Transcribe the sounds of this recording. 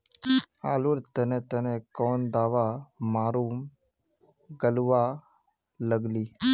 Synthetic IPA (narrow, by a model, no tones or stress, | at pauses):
aːluɾt̪ənẽt̪ənẽkɔːnd̪aːʋamaːɾuːm | ɡəlʋa | ləɡliː